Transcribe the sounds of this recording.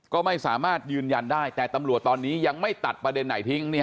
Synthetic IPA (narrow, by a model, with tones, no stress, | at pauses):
kɔː˥˩ma˥˩jsaː˩˦maː˥˩t̪̚jɯː˧nja˧ndaː˥˩jt̪ɛː˨˩t̪a˧mɾu˨˩ət̪ːɔː˧nːiː˦˥ja˧ŋma˥˩jt̪a˨˩t̪̚pɾa˧de˧nːa˩˦jt̪ʰi˦˥ŋniː˥˩